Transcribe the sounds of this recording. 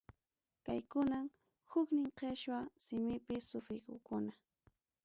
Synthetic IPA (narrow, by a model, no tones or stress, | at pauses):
kajkʊnam | hʊknɪŋqeʃwasɪmɪpɪsʊfɾɪkʊ̰kʊna